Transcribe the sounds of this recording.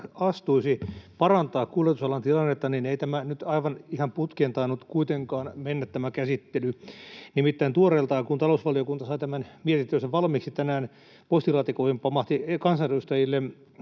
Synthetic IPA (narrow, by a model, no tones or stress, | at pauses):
ɑst̪uisipɑrɑnt̪ɑːkkulet̪usɑlɑnt̪ilɑnːet̪ːɑnineit̪æmænyt̪ɑiʋɑnihɑmput̪keːnt̪ɑinːut̪kuit̪eŋkɑːnmenːæt̪t̪æmækæsit̪ːelynimit̪ːæint̪uorelt̪ɑikunt̪ɑlousʋɑliokunt̪ɑsɑit̪æmænmiet̪int̪øiseʋʋɑlmiksit̪ænæːn | post̪ilɑːt̪ikoihimpɑmɑht̪ikɑnsɑireust̪ɑjilːe